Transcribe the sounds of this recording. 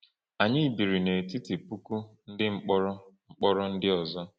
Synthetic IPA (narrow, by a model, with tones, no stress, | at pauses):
a˨ɲɪ˦˨bi˨ɾi˨ne˨ti˦ti˨pu˦ku˦n̩˦dɪ˦ŋ͡m̩˦k͡pɔ˦ɾɔ˦ŋ͡m̩˦k͡pɔ˦ɾɔ˦n̩˦dɪ˦ɔ˨zɔ˦